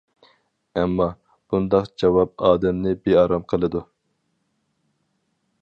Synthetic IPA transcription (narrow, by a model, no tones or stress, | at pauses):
ɛmːɑ | b̥und̪ɑqd͡ʒɑwɑp̚ɑːd̪ɛmnɪbeɑɾɑmqʰəlˠɨd̪u